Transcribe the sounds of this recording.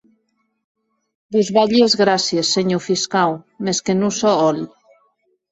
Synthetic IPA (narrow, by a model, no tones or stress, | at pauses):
buzβaʎezɣɾasjesːeɲufiskaw | meskenusɔɔl